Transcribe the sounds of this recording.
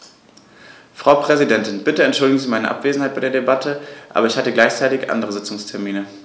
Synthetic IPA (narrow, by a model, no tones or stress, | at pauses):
fʁ̥aʊpʁ̥ɛzidɛntɪnb̥ɪtəɛntʃʊldɪɡŋ̩ziːmaɪnə̰ʔa̰pv̥eːzn̩haɪb̥aɪdeːɐdebatʰəʔa̰ːbɐɪçhatəɡlaɪçt͡saɪtɪçʔa̰ndəʁəzɪt͡sʊŋstʰɛɐmiːnə